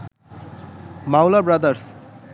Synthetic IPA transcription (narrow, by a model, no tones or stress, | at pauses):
mawlabɾʌd̪əɾs